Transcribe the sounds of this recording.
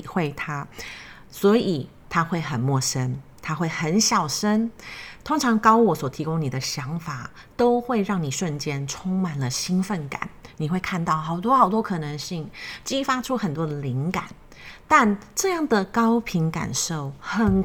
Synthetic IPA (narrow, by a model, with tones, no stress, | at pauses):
xwe˥˩ɪt̪ʰa˥ | swɔ˧˥i˨˩ | t̪ʰa˥xwe˥˩ɪxə˨˩nmwɔ˥˩ʂə˦˥nt̪ʰa˥xwe˥˩ɪxə˧˥nɕjɑ˨˩ʊʂə˥nt̪ʰʊ˥ŋʈ͡ʂʰɑ˧˥ŋkɑ˥ʊwɔ˨˥swɔ˨˩t̪ʰi˧˥kʊ˥ŋni˨˩d̪ə˦ɕjɑ˧˥ŋfa˨˩ | t̪o˥ʊxwe˥˧ɪɻɑ˥˩ŋni˨˩ʂə˥˩nt͡ɕjɛ˥nʈ͡ʂʰʊ˥ŋma˨˩nlə˨ɕi˥nfə˥˩nka̰˨˦nni˨˩xwe˥˧ɪkʰa˥˧nt̪ɑ˥˩ʊxɑ˨˩ʊt̪wɔ˥xɑ˨˩ʊt̪wɔ˥kʰɤ˨˩nɤ˧˥ŋɕi˥˩ŋt͡ɕi˥fa˥ʈ͡ʂʰu˥xə˨˩nt̪wɔ˥d̪ə˨˩li˧˥ŋka˨˩˦n | t̪a˥˧nʈ͡ʂɤ˥˧jɑ˥˩ŋd̪ə˩kɑ˥ʊpʰi˧˥ŋka̰˨˩nʂo˥˩ʊxə˨˩n